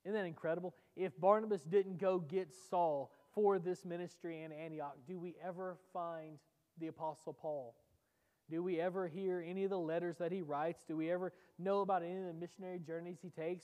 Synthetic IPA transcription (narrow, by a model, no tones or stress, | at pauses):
ɨ̃nðæɾɨ̃nkʰɹ̥ɛɾəbl̩ˠ | ɪfbɑɹnəbɨsd̥ɪdⁿn̩ɡ̥oʊɡɛtsɔlˠ | fə˞ðɪsmɪ̃nɨstɹ̥iɨ̃næ̃ɾ̃iɑk̚d̥ɨwiʔɛvə˞fãɪ̃n | ðiɨpʰɑsl̩ˠpʰɔlˠ | d̥ɨwiɛvə˞ɦiɹɛniʌvðəlɛɾə˞zðɨt̚hiɹaɪtsd̥ɨwiɛvə˞noʊəbaʊɾɛniðɨmɪʃɨnɛɹid͡ʒɜ˞niz̥hitʰeɪks